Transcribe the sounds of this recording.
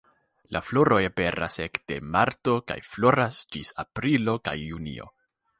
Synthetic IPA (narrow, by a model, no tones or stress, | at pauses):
lʔaflo̞ɾo̞jepe̞ɾa̰se̞kd̥e̞maɾto̞ka̰jflo̞ɾasd͡ʒisapɾilo̞ka̰jːunḭo̞̰